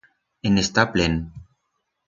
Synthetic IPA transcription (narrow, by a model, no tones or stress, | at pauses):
enest̪aplen